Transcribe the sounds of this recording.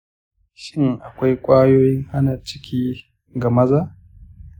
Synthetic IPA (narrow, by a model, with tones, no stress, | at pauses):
ʃɪ˦ŋʔa˨kʷa˦jkʷʼaː˦joː˦jɪ˦ŋʔa˦naː˨t͡ʃɪ̥˦kʲiː˦ | ɡɐ˨mɐ˦za˦ʔ